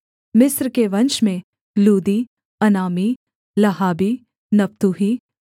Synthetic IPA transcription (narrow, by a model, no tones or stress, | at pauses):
mɪsɾkeʋɐ̃nʃmẽ | luːd̪iː | ɐnaːmi | lɐɦaːbi | nɐpt̪uɦiː